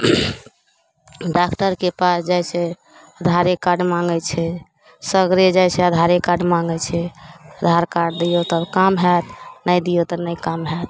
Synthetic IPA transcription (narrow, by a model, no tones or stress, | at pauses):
ɖakʈəɾkepasd͡ʒajse | əd̪ʱaɾekaɖmaŋɡɛt͡ʃʰɛ | səɡɾed͡ʒajsɛəd̪ʱaɾekaɖmaŋɡɛt͡ʃʰɛəd̪ʱaɾkaɖd̪ijot̪əbkamɦɛt̪nəjd̪ijot̪ɔnəjkamɦɛt̪